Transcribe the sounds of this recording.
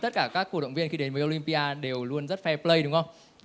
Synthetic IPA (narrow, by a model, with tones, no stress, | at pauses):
t̪ə˦˥t̚kaː˧˩kaː˦˥kːu˧˩ɗə̰˧˨wŋ͡mvi˧ənxi˧ɗe˨˦nməː˨˦ʔo˧li˧mpi˧ʔaː˧ɗe˨˩wlu˧ənzə˦˥t̚fɛ˧plə˧jɗʊ˨˦ŋ͡mhə˧wŋ͡m